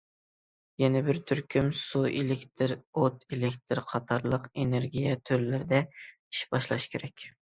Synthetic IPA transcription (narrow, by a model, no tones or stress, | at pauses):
jɛnɛbɪɾt̪ʰyɾkʲʰymsuʔelekʲt̪ʰɪɾot̪ʰelekʲt̪ʰɪɾqʰɑt̪ʰɑɾlˠəqeneɾɡʲijɛt̪ʰøɾlɪɾɪd̪ɛ | i̥ʃbɑʃlˠɑ̰ʃkʲʰeɾɛkʲ